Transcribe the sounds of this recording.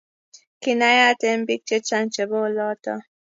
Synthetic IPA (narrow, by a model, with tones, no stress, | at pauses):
ki˨na˦ja˦t̪e˦mbi˦k̚t͡ʃe˦t͡ʃa˦nt͡ʃe˨bo˦lɔ˦t̪ɔ̰˨